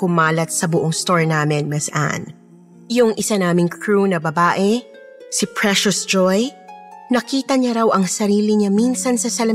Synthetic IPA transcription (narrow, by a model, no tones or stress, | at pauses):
kʊmaːlɐt̪̚sɐbʊʔoŋst̪oɹnaːmɪnmɛsʔa̰n | jʊŋʔɪsanaːmɪŋkʰɹunɐbɐbaːʔɛ | sɪpɹɛʃʊsd͡ʒojnɐkiːt̪ɐɲɐɾɐwʔɐŋsɐɾiːlɪɲaminsɐnsɐsɐlɐ